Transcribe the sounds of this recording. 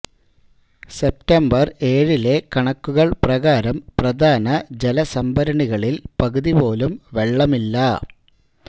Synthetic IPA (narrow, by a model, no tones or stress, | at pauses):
se̞p̚tɐmbɐre̞ːɻile̞kɐɳɐkːuɣɐɭprɐɣaːɾɐmprɐd̪ʱaːnɐd͡ʑe̞lɐsɐmbɐɾɐɳiɣɐɭilpɐɣuðipo̞ːlumʋe̞ɭːɐmilːɐ